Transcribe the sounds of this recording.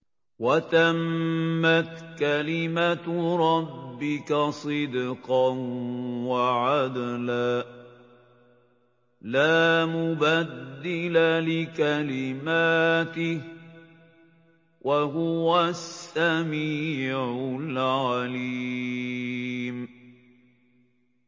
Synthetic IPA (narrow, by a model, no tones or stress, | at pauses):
wat̪amːat̪kalɪmat̪ɾˤɑbːɪkasˤɨd̪qɑnwaʕad̪laː | laːmʊbad̪ːɪlalɪkalɪmaːt̪ɪh | wʔaɦʊwasːamiːʕʊlʕaliː | m